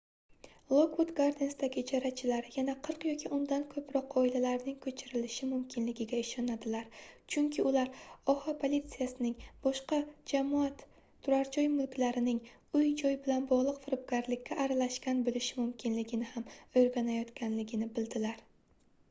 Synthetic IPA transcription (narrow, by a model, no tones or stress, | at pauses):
lˠokwot̪ɡaɾd̪ensd̪aɡʲɪd͡ʒaɾat͡ʃʰɪlaɾjanaqʰɨɾqjɒkʲʰɪʔʊnd̪ankʰɵpʰɾɒqɒɪlalaɾnɪŋkʰɵt͡ʃʰɪɾɪlɪʃɪmʊmkʲʰɪnlɪɡʲɪɡʲaɪʃɒnad̪ɪlaɾt͡ʃʰʊŋkʲʰɪʊlaɾɒhapʰolʲit̪sijasɪnɪŋb̥ɒʃqɑd͡ʒamɒat̪ʰː | ʊɾaɾt͡ʃʰɒjmʊlkʲlaɾɪnɪŋ | ʊjd͡ʒɒjbɪlanbɒʁlˠɨqfɪɾɪp̚ɡʲaɾlɪkʲːaʔːɾalaʃkʲanbolɪʃɪmʊmkʲʰɪnlɪɡʲɪnɪhamojɾɡʲanajɒt̪kʲʰanlɪɡʲɪnɪbɪld̪ɪlaɾ